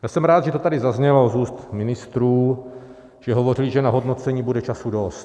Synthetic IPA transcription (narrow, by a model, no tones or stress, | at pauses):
jasɛmɾaːt̪ʒɛt̪ot̪adɪzazɲɛlozuːst̪mɪnɪst̪ɾuː | ʒ̥ɛɦo̞vo̞rɪlɪʒɛnaɦo̞dno̞t͡sɛɲiːbudɛt͡ʃasudost̪